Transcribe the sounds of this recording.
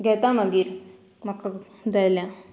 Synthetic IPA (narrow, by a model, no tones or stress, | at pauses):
ɡʱɛt̪aməɡiːɾ | məkːa | d̪ajljã